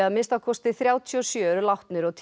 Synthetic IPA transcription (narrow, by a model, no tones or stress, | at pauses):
aðmɪnst̪awkʰɔst̪ɪθɾjaːwt̪ʰiɔsjœːɾlawht̪nɪɾɔɣt̪ʰ